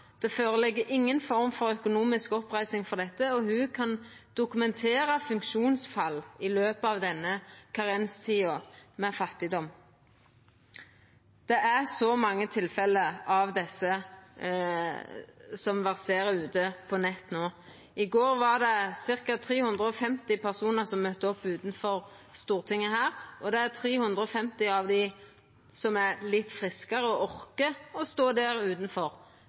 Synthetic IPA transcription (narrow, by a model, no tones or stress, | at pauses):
d̪̥ɛføːʁəlɛɡːəʔɪŋːənfɔʁmfɔʁœkʊnuːmɪskɔpʁæɪsɪŋfɔʁd̪ɛt̪ːəɔhʉkʰɑnd̪̥ʊkʉmɛnt̪ʰeːʁəfʉŋkʃuːnsfɑlːɪløːpəɑʋd̪ɛnːəkʰɑʁɛnst̪ʰiːɔmɛfɑt̪ːɪd̪ɔm | d̪̥ɛʔæʁsɔmɑŋːət̪ʰɪlfɛləɾɑʋd̪ɛsə | sɔmʋɛʁseːɾəɾʉːt̪əpʰɔnɛt̪ːnoː | ɪɡoːɾʋɑʁd̪ɛsɪʁkɑt̪ʰɾiːhʉnd̪ʁəɔfɛmt̪ɪpʰæʁsuːnəɾsɔmːœt̪ːəɔpːʉːt̪nfɔɾ | st̪uːʁt̪ʰɪŋːəhæːɾʔɔd̪ɛæt̪ʰɾiːhʉnd̪ʁəɔfɛmt̪ɪɑʋd̪ɪ | sɔmæɾlɪt̪ːfʁɪskəɾəɔʔɔʁkəɔst̪oːd̪æːɾʉːt̪n̩fɔɾ